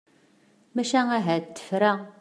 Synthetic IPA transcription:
mæʃæŋæɦæt̪ːə̥fɾæ

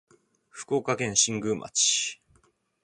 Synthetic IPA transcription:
ɸɯ̟̥ko̞ːkakẽ̞ɰ̃ɕĩŋɡɯ̟ːmʔa̰t͡ɕi̥

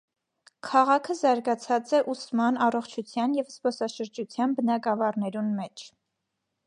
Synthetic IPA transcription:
kʰɑʁɑkʰəzɑɾɡɑt͡sʰɑt͡sɛʔusmɑnɑrɔχt͡ʃʰut͡sʰjɑnjɛvspɔsɑʃəɾd͡ʒut͡sʰjɑnbənɑɡɑvɑrnɛɾunmɛt͡ʃʰ

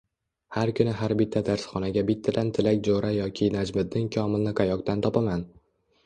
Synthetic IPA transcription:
haɾkʰʊnɪɦaɾbɪt̪ʰːad̪aɾsχɒnaɡʲabɪt̪ʰːad̪ant̪ʰɪlakʲd͡ʒoɾajɒkʲʰɪnad͡ʒmɪd̪̚nɪŋkʲʰɒmɪlnɪqʰajɒqt̪ant̪ʰɒpaman

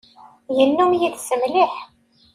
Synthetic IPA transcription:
jənːʊmjiðsəmliħ

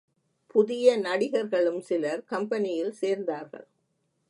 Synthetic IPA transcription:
pʊðɪjɐnɐɽɪɣɐɾɣɐɭɯmsɪlɐɾkɐmpɐnɪjɪlseːɾnd̪aːɾɣɐ̰ɭ

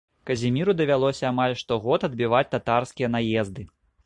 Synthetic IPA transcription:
kɐzʲimʲiɾud̪ɐvʲalˠɔsʲɐːmalʲʂt̪ɔɣɔt̪ɐd̪bʲivat͡sʲt̪at̪arskʲijɐn̪ajɛzd̪ɨ

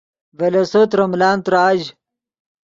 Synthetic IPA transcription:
vɐlɐsot̪ɾɐmlaːnt̪ɾaːʑ

